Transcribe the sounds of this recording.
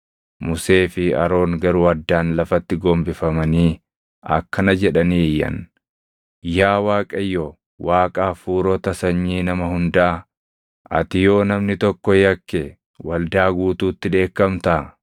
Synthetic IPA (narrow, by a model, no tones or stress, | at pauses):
mʊse̞ːfɪɐ̰ɾo̞ːŋɡɐɾʊɐd̪ːaːnlɐfɐt̪ːɪɡoːmbɪfɐmɐniː | ɐ̰kːɐnɐd͡ʒɛᶑɐniːjɐ̰n | jaːwaːkʼɐjːo | waːkʼaːfuːɾɔt̪ɐsɐɲːiːnɐmɐhʊnd̪aː | ɐ̰t̪ɪjo̞ːnɐmnɪt̪ɔkːɔjɐkːe | wɐld̪aːɡuːt̪uːt̪ːɪᶑe̞ːkːɐmt̪ɐ